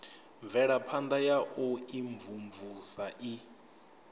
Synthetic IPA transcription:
ɱvɛɺapʰand̪ajaʔuiɱvumvusaʔi

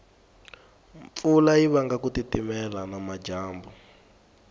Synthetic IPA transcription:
ɱfulajiβaŋɡakutitimɛlanamad͡ʒaːmbu

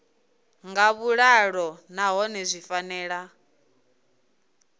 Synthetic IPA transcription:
ŋɡaβuɺaɺɔnaɦɔnɛzʷifanɛːɺa

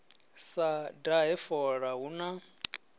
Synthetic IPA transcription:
sadaɦɛfɔɺaɦuna

